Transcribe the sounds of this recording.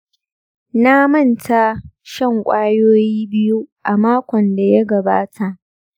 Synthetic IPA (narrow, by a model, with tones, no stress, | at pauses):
na˦mɐ˦˨nta˦ʃɐ˦˨ŋkʷʼaː˦joː˦jiː˦bɪ˦ju˦ʔa˨maː˦kʷɔ˨nda˨ja˦ɡɐ˨baː˦tʰa˨ʔ